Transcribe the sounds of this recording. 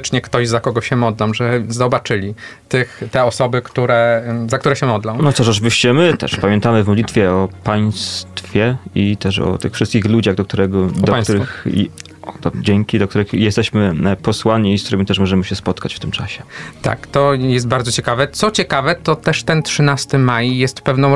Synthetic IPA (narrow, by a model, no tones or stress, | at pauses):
t͡ʂɲɛkt̪ɔʑzakɔɡɔɕɛmɔd̪lɔmʐɛzɔbat͡ʂɘlʲit̪ɘxt̪ɛɔsɔbɘkt̪uɾɛzakt̪uɾɛɕɛmɔd̪lɔ̃w̃nɔt̪ɔʂɔt͡ʂɘvʲiɕt͡ɕɛmɘt̪ɛ̰ʂpamʲjɛnt̪amɘvmɔd̪lʲit̪fʲjɛɔpaj̃st̪fʲjɛit̪ɛʂɔ̰t̪ɘxfʂɘst̪̚kʲixlud͡ʑaɣd̪ɔk̚t̪uɾɛɡɔdɔɔpajsuɾx | d̪ɔd͡ʑɛŋkʲid̪ɔk̚t̪uɾɘxjɛst̪ɛɕmɘpɔswaɲiːst̪uɾɘmʲit̪ɛʂmɔʐɛmɘɕɛspɔt̪kat͡ɕft̪ɘmt͡ʂa̰ɕɛ̥t̪a̰kt̪ɔjɛst̪̚baɾd̪zɔt͡ɕɛkavɛt̪sɔt͡ɕɛkavɛt̪ɔt̪ɛʂt̪ɛntʂɘnast̪ɘmajjɛst̪pɛvnɔ̃w̃